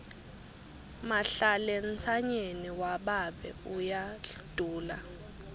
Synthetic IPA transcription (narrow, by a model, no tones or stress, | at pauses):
maɬalent͡sʰaɲeniwaɓaɓɛ̰ujad̥ʱuːla